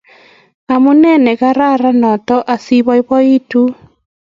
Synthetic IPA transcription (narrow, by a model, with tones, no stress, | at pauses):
a˨mo˦nɛ˦nɛ˨ɣa˦ɾa˦ɾa˦nɔ˨tɔ˦ʔa˨si˦βɔ˦i˦βɔ˦i˦tu˦